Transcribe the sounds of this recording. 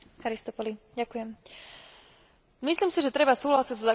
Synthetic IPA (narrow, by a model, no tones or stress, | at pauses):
xaɾist̪ɔpɔliɟakujɛm | misliːmsiʒɛt̪ɾɛbasuːɦlasiɟzza